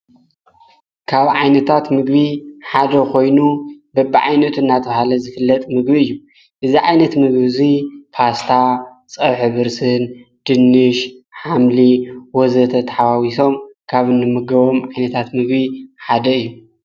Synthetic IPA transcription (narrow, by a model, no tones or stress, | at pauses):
kʰaβʕajnɐt̪ʰat̪mɨɡbiħad̪ɐkʰo̞jnubɐbiʕa̰jnɐt̪ʰuɨnːat̪ʰʼɐβhalɐzɨfɨlːɐt̪ʼmɨɡbiɨjːu | ʔɨziʕajnɐt̪mɨɡbizipʰast̪ʰa | t͡sʼɐβħɨβɨɾsɨnd̪̥ɨnːɨʃħamliwɔzɐt̪ʰɐt̪ʰɐħaβawiso̞mkʰaβɨnːɨmɨɡɐβo̞mʕajnɐt̪ʰat̪mɨɡbiħad̪ɐɨjːu